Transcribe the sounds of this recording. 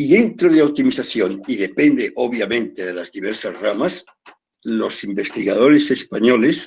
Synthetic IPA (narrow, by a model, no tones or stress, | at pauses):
iðent̪ɾoðeawt̪imiθaθjoniðepend̪eʔoβjamẽnt̪eðelazðiβeɾsazramas | lo̞simbest̪iɣað̞oɾesespaɲoles